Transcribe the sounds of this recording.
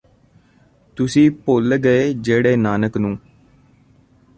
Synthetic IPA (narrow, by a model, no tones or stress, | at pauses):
t̪ʊsĩːpolɡəeːd͡ʒeːɽeːnaːnəknũː